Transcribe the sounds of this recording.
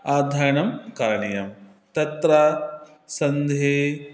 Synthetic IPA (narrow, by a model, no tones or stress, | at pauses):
aːd̪ʱaːɾɳɐmkaːɾɐɳijɐm | t̪ɐt̪ɾɐ | sɐnd̪ʱeː